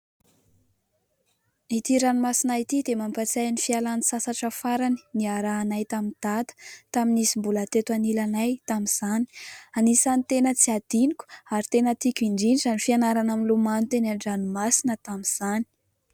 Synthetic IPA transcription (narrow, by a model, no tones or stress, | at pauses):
it̪iɾanimasinait̪id̪emampat͡sajnifialanisasaʈ͡ʂəfaɾani̥niaɾaːnajt̪amind̪̥at̪ə̥t̪aminisimbulat̪et̪anilanajt̪amiz̥ani̥anisanit̪enət͡siad̪̥inikʲu̥aɾit̪enət̪ikʲiɳɖ͡ʐiniʈ͡ʂanifianaɾanaminlumanut̪enaɳɖ͡ʐanumasinət̪amiz̥ani̥